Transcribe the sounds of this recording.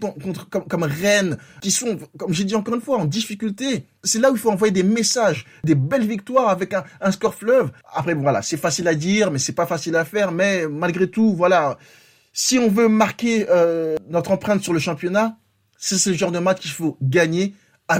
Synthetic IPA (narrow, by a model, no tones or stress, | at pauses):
ɔ̃kɔ̃t̪χkɔmkɔmʁɛnkʲisɔ̃kɔmʒed̪iɑ̃kɔʁynfwaɑ̃d̪ifikʲylt̪e | sɛlauilfoɑ̃vwajed̪emesaʒ | d̪ebɛlvik̚t̪waʁavɛkɛ̃ɛ̃skɔʁflœv | a̰pχɛbɔ̃vwala̰sɛfasilad̪iʁmɛsɛpafasilafɛʁmɛmalɡʁet̪uvwala | siɔ̃vømaʁkʲeønɔt̪χɑ̃pχɛ̃t̪syʁləʃɑ̃pjɔna | sasɛləʒɑ̃ʁd̪əmat͡ʃkifoɡaɲe | a